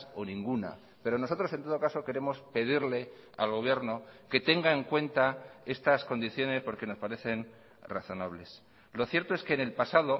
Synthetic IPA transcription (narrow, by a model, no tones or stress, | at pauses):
o̞nĩŋɡuna̰ | pe̞ɾo̞no̞so̞t̪ɾo̞se̞nt̪oðo̞kaso̞ke̞ɾe̞mo̞spe̞ð̞iɾle̞ | a̰lɣo̞βje̞ɾno̞ke̞t̪e̞ŋɡaeŋkwe̞nt̪ae̞st̪asko̞nd̪iθjo̞ne̞spo̞ɾke̞no̞spaɾe̞θe̞n | raθo̞naβle̞s | lo̞θje̞ɾt̪o̞e̞skeːnelpasaðo̞